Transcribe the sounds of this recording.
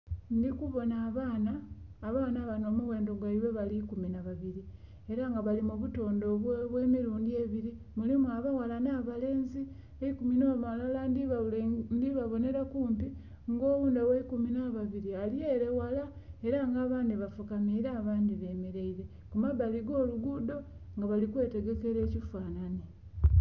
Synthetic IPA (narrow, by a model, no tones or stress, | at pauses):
ndikuβo̞naːβaːnaːβaːnaβano̞ːmuwe̞ːndo̞ɡwaiwe̞βalikuminaβaβiɾi | e̞ɾaŋɡaβalimuβuto̞ːndoβwe̞ːmiɾuːndie̞βiɾi | mulimuaβawalanaβale̞ːnzi | eikuminoːmalala | ndiβaβo̞ne̞ɾakuːmpi | ŋɡo̞ːβuːndaweikuminaβaβiɾialje̞ɾewalae̞ɾaŋɡaːβaːndiβafukamiɾaːβaːndiβe̞ːmeɾe̞iɾe̞ | kumaβaliɡo̞ːluɡudo̞ | ŋɡaβalikwe̞ːte̞ɡe̞ke̞ɾe̞ːcifaːnane